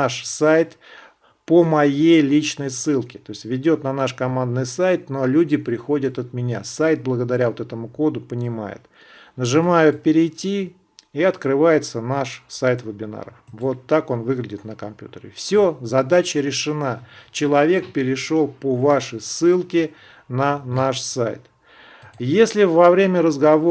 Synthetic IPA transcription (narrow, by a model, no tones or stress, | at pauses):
aʂsajt̪ | pəmɐjejlʲit͡ɕnəjsːɨlˠkʲɪ̥t̪o̞ɪsʲtʲvʲɪdʲo̞t̪nɐnaʂkɐmand̪nɨjsajt̪no̞lʲudʲɪpɾʲɪxo̞dʲət̪ɐt̪mʲɪnʲa̰sajt̪̚blˠəɡəd̪ɐɾʲavo̞t̪ɛt̪əmʊko̞d̪ʊpənʲɪma̰jɪ̰t̪ | nəʐɨmajʊpʲɪɾʲɪjtʲi | iɐt̪kɾɨvajɪt̪sənaʂsajt̪vəbʲɪna̰ɾə̰fvo̞t̪ːako̞nvɨɡlʲɪdʲɪt̪nəkɐmpʲjṵt̪əɾʲɪ̰fsʲozɐd̪at͡ɕəɾʲɪʂɨnat͡ɕɪlˠɐvʲe̞k̚pʲɪɾʲɪʂo̞lˠpovaʂəjsːɨlˠkʲɪ | nɐnaʂsajt̪ | jesʲlʲɪvɐvɾʲemʲəɾəzɡɐvo